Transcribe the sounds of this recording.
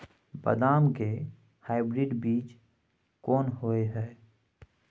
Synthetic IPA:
bə̰d̪aːmke | haːɪbɾɪɖbiːt͡ʃ | kɔːnɦoːeɦɛː

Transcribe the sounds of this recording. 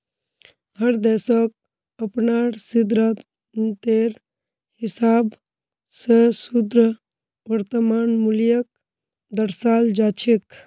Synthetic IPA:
həɾd̪ɛːsɔk̚ | əpnaɾsid̪ɾat̪ | nt̪eɾ | hɪsaːb | sesud̪ɾə | ʋəɾt̪əmaːnmuljək̚ | d̪əɾsaːld͡ʒaːt͡ʃʰek

